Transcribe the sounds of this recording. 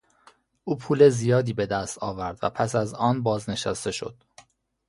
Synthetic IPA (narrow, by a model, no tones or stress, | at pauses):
ʔuːpʰuːlezijɒːd̪iːbe̞d̪æst̪ʰɒːvæɾd̪væ̰pʰæsæzɒːnbɒːzne̞ʃæst̪e̞ʃo̞̰d̪̥